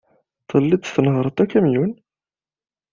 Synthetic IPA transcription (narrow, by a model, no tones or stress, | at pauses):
t̪ˤːəlːid̪θnəʁɾˤət̪ˤːækːæmjun